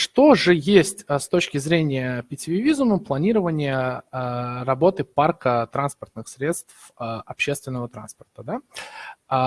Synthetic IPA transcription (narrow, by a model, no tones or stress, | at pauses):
ʂt̪o̞ʐɨjesʲtʲəst̪o̞t͡ɕkʲɪzɾʲenʲɪjəpʲɪtʲɪvʲɪvʲizʊməplˠɐnʲiɾəvənʲɪjə | rɐbo̞t̪ɨparkət̪ɾanspərt̪nɨxsɾʲe̞t̪st̪fəɐpɕːest̪vʲɪnːəvət̪ɾa̰nspərt̪əd̪a